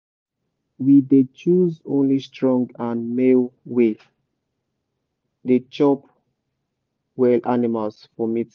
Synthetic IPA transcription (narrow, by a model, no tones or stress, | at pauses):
widet͡ʃuzõnlistɹɔ̃ŋɡãnmelwe | det͡ʃɔp | wɛlʔanimalsfɔmit